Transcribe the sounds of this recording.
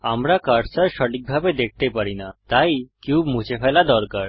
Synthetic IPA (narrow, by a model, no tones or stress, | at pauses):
amɾakaɾsaɾʃɔʈik̚bʱabed̪ek̚ʰt̪epaɾinat̪ajkiubmut͡ɕefʰalad̪ɔɾkaɾ